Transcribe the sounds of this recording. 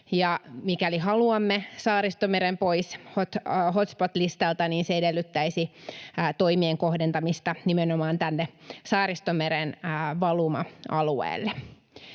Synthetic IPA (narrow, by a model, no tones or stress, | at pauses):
jɑmikælihɑluɑmːesɑːɾist̪omeɾempoishot̪hot̪spot̪list̪ɑlt̪ɑniːnseedelːyt̪ːæisiːt̪oimieŋkohdent̪ɑmist̪ɑnimenomɑːnt̪ænːesɑːrist̪omeɾenːʋɑlumɑ̰ɑluḛːlːe